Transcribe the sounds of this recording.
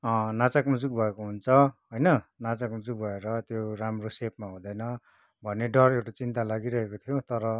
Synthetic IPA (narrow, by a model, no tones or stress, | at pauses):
ʌnat͡sakmud͡zuk̚bʱʌekoɦunt͡sʰʌɦojnʌnat͡sakmud͡zuk̚bʱʌeɾʌt̪joramrosep̚maɦũd̪ʌjnʌ | bʱʌnːeɖʌrewʈat͡sint̪alaɡiɾʌɦekot̪ʰijot̪ʌɾʌ